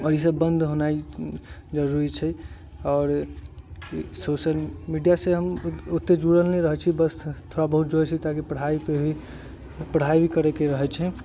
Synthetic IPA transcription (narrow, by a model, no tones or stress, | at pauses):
ɔɾis̬əbːənd̪ʱɦonai | d͡ʒəɾuɾit͡ʃʰɛ | ɔːɾ | sosəlmiɖijaseɦəmut̪ːed͡ʒuɽəlneɾəɦɛt͡ʃʰibəst̪ʰoɽabəɦut̪̚d͡ʒot͡ʃʰɛt̪akipəɽ̤aipei | pəɽ̤ajbʱikəɾɛkeɾəɦɛt͡ʃʰɛ